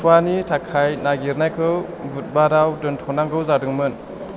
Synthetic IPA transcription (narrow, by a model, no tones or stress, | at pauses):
pʰuwanitʰakʰajnaɡiɾnajkʰɯw | but̚baɾawdɯntʰɔnaŋɡɯwzadɯŋmɯn